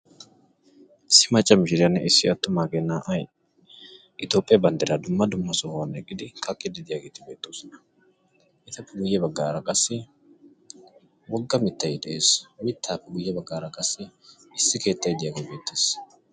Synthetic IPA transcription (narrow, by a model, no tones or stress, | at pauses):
ɪsːɪmɐt͡ʃʼːɐmɪʃɪɾɪjɐnːɛʔɪsːɪɐt̪ːʊmaːɡenːaːʔɐj | ɪt̪joːpʼːɪjɐbɐnd̪ɪɾad̪ʊmːɐd̪ʊmːɐsɔhnɛkʼːɪd̪ɪkʰɐkʼːɪd̪ɪd̪ɪjaːɡe̞ːt̪ɪbe̞ːt̪ːoːsɔnɐ̥ | ʔɪt̪ɐpːɛɡʊjːɛbɐɡːaːɾɐkʼɐsːɪ | wɔɡːɐmɪt̪ːɐjɪd̪ɛʔe̞ːsmɪt̪ʰːaːpːɛɡʊjːɛbɐɡːaːɾɐkʼɐsːɪ | ɪsːɪke̞ːt̪ːɐjd̪ɪjaːɡejbe̞ːt̪ʰːeːs